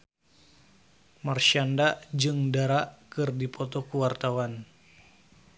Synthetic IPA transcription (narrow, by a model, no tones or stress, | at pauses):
marʃandaʔd͡ʒɨŋdaɾaʔkɨrdipʰɔt̪ɔkuwart̪awan